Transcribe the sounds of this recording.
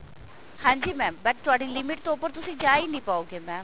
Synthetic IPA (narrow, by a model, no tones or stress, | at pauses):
hãːɲd͡ʒiːmɛ̃ːmbəʈ̚t̪ʊaːɖiːlɪmɪʈ̚t̪õːpəɾt̪ʊsĩːd͡ʒaːinĩːpaːoːɡeːmɛ̃ː